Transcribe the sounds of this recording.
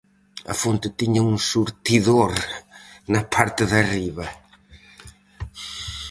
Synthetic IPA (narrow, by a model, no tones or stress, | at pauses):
ɐ̰font̪ɪt̪iɲɐuŋsuɾt̪iðoɾ | nɐpʰaɾt̪ɪðɐriβɐ